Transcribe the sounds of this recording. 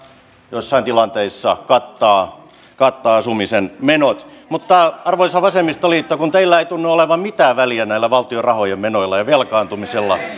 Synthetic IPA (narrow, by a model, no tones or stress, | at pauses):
joisːɑint̪ilɑnt̪eisːɑkɑt̪ːɑː | kɑt̪ːɑːɑsumisenmenot̪mut̪ːɑɑrʋoisɑʋɑsemːist̪oliet̪ːækunt̪eilːæeit̪unːuoleʋɑmmit̪æːʋæliænæilːæʋɑlt̪iorɑhojemmenoilːɑjɑʋelkɑːnt̪umiselːɑ̰